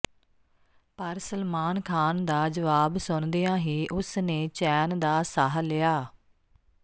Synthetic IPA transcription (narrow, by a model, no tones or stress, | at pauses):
pəɾsəlmaːnkʰaːnd̪aːd͡ʒəʋaːbsʊnd̪eːãːɦiːʔʊsneːt͡ʃɛːnd̪aːsaɦlɪaː